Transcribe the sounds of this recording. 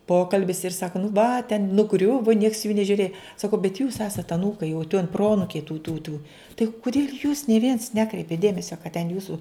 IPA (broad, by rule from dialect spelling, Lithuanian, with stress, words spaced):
ˈpoːkɐlʲbʲɪs ɪr ˈsɑːkɐ nʊ ʋɐ tʲɛn nʊˈɡrʲʊʋoː nʲiɛks juː nʲɛʒʲʊˈrʲeːj sɐˈkɐʊ bʲɛt juːs ˈæːsɐt ɐˈnuːkɐɪ jɛʊ tʲuɔn ˈproːɐnʊkʲɛɪ tuː tuː tuː tɐɪ kʊˈdʲeːlʲ juːs nʲeː ʋʲiɛns ˈnʲæːkrʲɛɪpʲeːt ˈdʲeːmʲɛsʲɛ kɐt tʲɛn ˈjuːsʊ